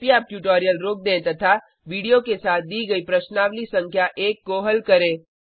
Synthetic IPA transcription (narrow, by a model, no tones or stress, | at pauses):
piaːp̚ʈjuːʈoːɾijəlɾoːk̚d̪ẽːt̪ɐt̪ʰa | ʋiːɽijokesaːt̪̚ʰd̪iːɡɐipɾɐʃnaːʋlisɐ̃ŋkʰjaʔeːkːoːɦəlkɐɾẽː